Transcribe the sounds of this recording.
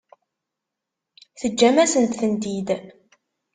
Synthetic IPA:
θəd͡ʒːæmæsənt̪θənd̪id̪

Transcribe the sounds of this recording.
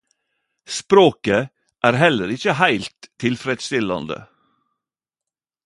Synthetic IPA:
spɾoːkə | ʔæːɾɦɛləɾɪçəhæɪlt̪ʰːɪlfɾɛd̪st̪ɪlɑ̰nd̪ə̰

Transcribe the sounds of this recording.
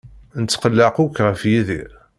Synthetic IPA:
nət͡sːqəlːəqʊkːʁəfjiði

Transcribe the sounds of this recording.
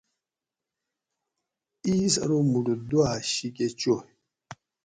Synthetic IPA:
isa̰ɾomuɖodwaʃik̬ʼet͡ʃo

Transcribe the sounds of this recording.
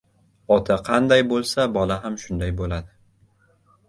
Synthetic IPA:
ɒt̪ʰaqʰɑnd̪ajbolˠsabɒlaɦamʃʊnd̪ajbolad̪ɪ

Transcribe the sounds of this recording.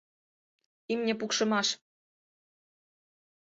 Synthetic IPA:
imnʲĕpukʃɤ̆mɑʃ

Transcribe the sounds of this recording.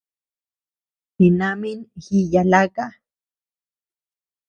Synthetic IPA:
hinaminxijalaka

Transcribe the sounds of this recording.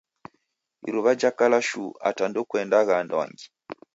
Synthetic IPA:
ḭɾuβad͡ʒakalaʃṵa̰tandɔkwɛndaɣanda̰ŋɡi

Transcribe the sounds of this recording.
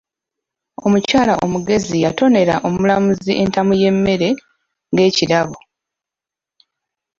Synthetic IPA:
o̞mucaːlaʔo̞muɡe̞zijato̞ne̞ɾaʔo̞mulamuziʔe̞ntamuje̞mːe̞ɾe̞ | ŋɡe̞ːciɾaβo

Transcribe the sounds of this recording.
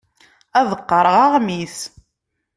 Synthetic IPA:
æðəqːəɾˤəʁɑʁmiθ

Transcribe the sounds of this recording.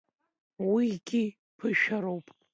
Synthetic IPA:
wiɡʲi | pʰɨʃᶣaɾowpʼ

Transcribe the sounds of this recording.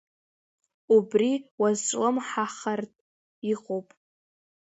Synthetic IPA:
ubriwazʈ͡ʂʷʼləmħaχartʼ | iqʼowpʼ

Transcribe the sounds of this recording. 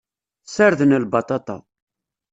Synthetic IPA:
səɾðənəlbɑt̪ˤɑt̪ˤɑ̰

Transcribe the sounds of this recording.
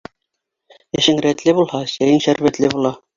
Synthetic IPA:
æ̆ʃɘŋɾæt̪lɘbulˠhɑsæjɘŋʃæɾβæt̪lɘbulˠɑ

